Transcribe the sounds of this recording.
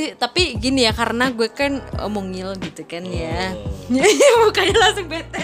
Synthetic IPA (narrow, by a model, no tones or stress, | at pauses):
it̪apiɡinijakaɾənaɡuakanə̰moŋɪlɡit̪ukanja | bukajalaŋsʊŋbɛt̪ɛ